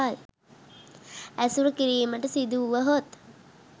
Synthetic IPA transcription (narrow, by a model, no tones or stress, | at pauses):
al | æsuɾəkiɾiːməʈəsid̪uʋəɦot̪